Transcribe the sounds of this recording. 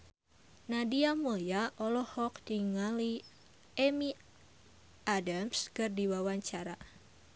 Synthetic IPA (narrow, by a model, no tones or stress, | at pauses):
nadiamojaʔɔlɔhɔk̚diŋali | emi | ʔadamskɨrdiwawaɲt͡ʃaɾa